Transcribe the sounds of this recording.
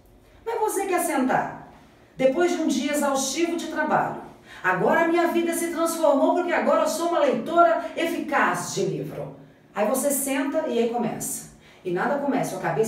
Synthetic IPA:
mẽvosekɛsẽnt̪a̰ɾ | d̪epojzd͡ʒɪũd͡ʒiɐzawʃt͡ʃivʊd͡ʒɪt̪ɾaba̰ʎʊ̰aɡɔɾɐːmĩɲɐvid̪ɐsɪt̪ɾɐ̃sfoɾmowpoɾkɪaɡɔɾɐsoũmɐlejt̪oɾɐefikazd͡ʒɪlivɾʊ̰ | aivosesẽnt̪ɐɪaikõmɛ̰sɐ̥ | ɪnad̪ɐkõmɛsʊɐkabes

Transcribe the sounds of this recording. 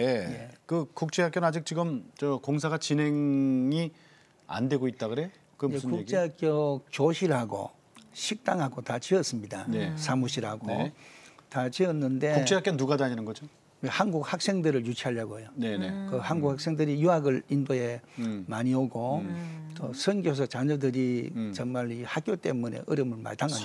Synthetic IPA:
ejekɯkuk̚t͡ɕ͈eɦak͈jonɯnad͡ʑik̚t͡ɕiɡɯmt͡ɕʌkoŋsʰaɡat͡ɕine̞ŋi | a̰ndwe̞ɡoit̚t͈akɯɾe | kɯjeskuk̚t͡ɕ͈ʰeɦak͈jot͡ɕoɕʰiɾhaɡo̰ | ɕʰik̚t͈aŋɦaɡotat͡ɕiʌs͈ɯmɲidanesʰamuɕʰiɾɦaɡo̰ | tat͡ɕiʌnːɯnde̞kt͡ɕeakenuɡadaɲinɯnɡʌd͡ʑo | wehanɡuk̚hak̚s͈e̞ŋdɯɾɯɭjut͡ɕʰiɦaʎːaɡoejoneekɯhanɡuk̚hak̚s͈e̞ŋdɯɾijuɦaɡɯɭindoe̞maɲioɡotosʰɯŋɡjos̬ʰʌt͡ɕaɲʌdɯɾit͡ɕʌŋmaɾihak͈jot͈e̞mune̞̰ʔɯɾɯmɯɭma̰ɭtaŋa

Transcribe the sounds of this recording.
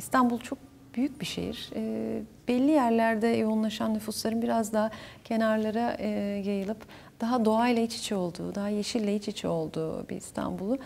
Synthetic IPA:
ist̪ʰanbulˠt͡ʃʰo̞k̚ | b̥yjyc̚biʃḛjḭɾ̥ɛb̥ɛlʲːijæɾlʲæɾd̪ɛjounlˠaʃanːyfuslˠaɾɯnbiɾazd̪aɦacʰe̞naɾlˠaɾaɯːjajɯlˠɯp | d̪̥aɦad̪o̞ajlˠahit͡ʃi̥t͡ʃʰɛo̞lˠd̪ṵːd̪aɦajeʃillʲɛɦit͡ʃit͡ʃʰɛo̞lˠd̪uːbḭḭst̪ʰa̰nbulˠʊ

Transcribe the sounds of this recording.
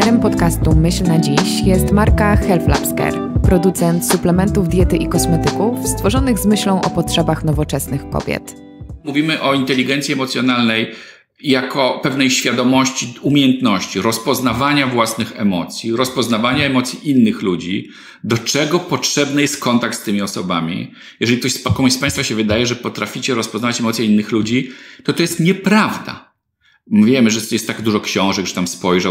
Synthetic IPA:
ɛɾɛmpɔt̪kast̪umɘɕlnad͡ʑiɕjɛst̪maɾkaxɛlfla̰pskɛ̰ɾ | pɾɔd̪ut̪sɛnt̪suplɛmɛnt̪uvd̪ʲjɛt̪ɘʔikɔsmɛt̪ɘkufst̪fɔʐɔnɘɣzmɘɕlɔ̃w̃ʔɔpɔtʂɛbaxnɔvɔt͡ʂɛsnɘxkɔ̰b̥ʲjɛ̰t̪ | muvʲimɘʔɔint̪ɛlʲiɡɛnt̪sʲjiɛmɔt̪sʲjɔnalnɛj | jakɔpɛvnɛjɕfʲjad̪ɔmɔɕt͡ɕiumʲejɛnt̪nɔɕt͡ɕiɾɔspɔznavaɲavwasnɨxɛ̰mɔt̪sʲjiɾɔspɔznavaɲaɛmɔt̪sʲjiʔinːɘxlud͡ʑi | d̪ɔt͡ʂɛɡɔpɔtʂɛbnɛjɛst̪̚kɔnt̪ak̚t̪st̪ɘmʲiɔsɔbamʲḭ | jɛʐɛlʲikt̪ɔɕspakɔmspaj̃st̪faɕɛvɘd̪ajɛʐɛpɔt̪ɾafʲit͡ɕɛɾɔspɔznavat͡ɕɛmɔt̪sjɛinːɘxlud͡ʑit̪ɔt̪ɔjɛst̪ɲɛpɾavd̪a̰ | vʲjɛmɘʐɛt̪ɛst̪ːaɡd̪uʐɔkɕɔ̃w̃ʐɛɡʐɛt̪amspɔjʐa

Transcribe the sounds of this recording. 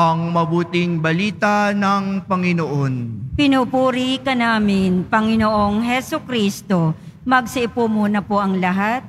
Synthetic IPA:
ɐŋmɐbuːt̪ɪŋbɐliːt̪anɐŋpɐŋɪnoʔonpɪnupuːɾikɐnaːmɪnpɐŋɪnoʔoŋɦɛsokɾist̪o̞ | mɐɡ̚sɪʔɪpumuːnɐpoʔɐŋlɐɦat̪̚

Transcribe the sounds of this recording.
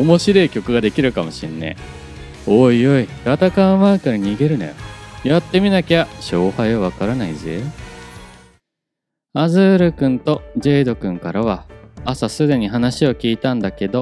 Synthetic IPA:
omo̞ɕiɾo̞ikʲo̞kɯ̟ɡad̪e̞kʲiɾɯ̟kamo̞ɕĩnːḛ | oːio̞iɡat̪akãmakɯɾaɲ̟iɡe̞ɾɯ̟na̰jo̰jat̪ːe̞mʲinakʲaɕo̞ːhaiβaβ̞akaɾanaize | azɨːɾɯ̟kɯ̟̃nt̪o̞ʑe̞ːd̪o̞kɯ̟̃ŋkaɾaβ̞aːsasɨd̪e̞ɲ̟iɦanaɕio̞kʲiːt̪ãnd̪ake̞d̪o̞

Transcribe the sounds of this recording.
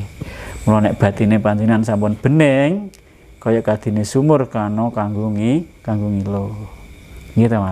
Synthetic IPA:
mulɔnɛʔb̥a̤t̪inepant̪inansampʊnb̥ə̤nɛŋ | kɔjɔʔkad̪̥i̤nesumʊrkanokaŋɡuŋikaŋɡuŋilo | ŋɡit̪ama

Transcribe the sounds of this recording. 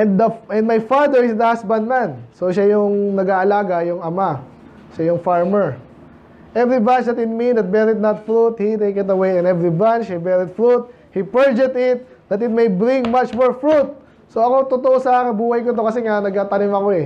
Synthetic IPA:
ʔɛnd̪d̪ɐʔɛnd̪majfad̪ɛɹɪsd̪ɐhasbɐnd̪̚mansoʃajʊŋnɐɡaːʔɐlaːɡɐjʊŋɐma | ʃajʊŋfaɹmɛɹ | ʔɛvɾibãnt͡ʃd̪ɐt̪ɪt̪̚mind̪ɐt̪̚bɛɾɪt̪̚nɐt̪fɹut̪hit̪ejkɪt̪ɐwejɪ̃nɛvɹibant͡ʃhibɛɹɪt̪̚fɹut̪̚ | hipɛɹd͡ʒɛt̪ɪt̪̚ | d̪ɐt̪ɪt̪̚mejbɾɪ̃ŋmat͡ʃmoɹfɹut̪̚ | soɐko̞t̪ot̪oʔosɐʔaːkɪnbuːhɐjkʊt̪̬okɐsɛŋanɐɡ̚aːt̪ɐnɪmɐkoɛ

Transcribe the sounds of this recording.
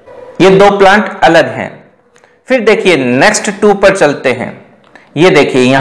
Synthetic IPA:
jed̪oːplãːɳʈɐləd̪ɦɛ̰̃ː | fɪɾd̪eːkʰienɛksʈʈuːpɐɾt͡ʃɐlt̪eɦɛ̰̃ː | jed̪eːkʰiejɐ

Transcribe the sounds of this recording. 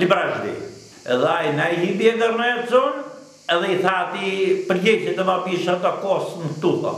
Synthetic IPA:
libɾaʒɾḭ | ɛ̰ðɛajnajɦibiɛnd̪əɾnɛt̪zɔn | ɛðɛiθaːt̪ipəɾjɛcɛt̪ɛmapiʃat̪akɔsnəkt̪ut̪ɔ̰

